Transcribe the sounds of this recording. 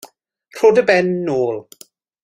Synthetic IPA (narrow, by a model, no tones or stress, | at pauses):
r̥oːdəbɛnːoːlˠ